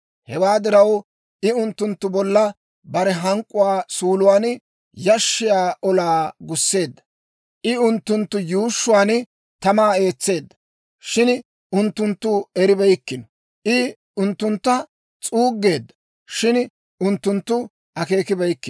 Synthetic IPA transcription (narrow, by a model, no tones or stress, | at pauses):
hɛwaːd̪ɪɾɐw | ʔɪʊnt̪ːʊnt̪ːʊbɔlːɐ | bɐɾɛɦɐŋkʼːʊwaːsuːlʊwaːn | jɐʃːɪjaːʔɔlaːɡʊsːe̞ːd̪ːɐ̥ | ʔɪʊnt̪ːʊnt̪ːʊjuːʃːʊwaːn | t̪ɐmaːe̞ːt͡sːe̞ːd̪ːɐ̥ | ʃɪn | ʔʊnt̪ːʊnt̪ːʊɛɾɪbɛjkːɪnɔ | ʔɪ | ʊnt̪ːʊnt̪ːɐ | t͡sʼuːɡːe̞ːd̪ːɐ̥ | ʃɪn | ʊnt̪ːʊnt̪ːʊ | ɐke̞ːkɪbɛjkːɪ